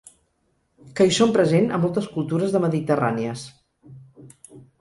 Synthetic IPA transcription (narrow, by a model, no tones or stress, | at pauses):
kəisompɾəzenə̰mːɔlˠt̪əskulˠt̪uɾəzðəməðit̪əra̰niəs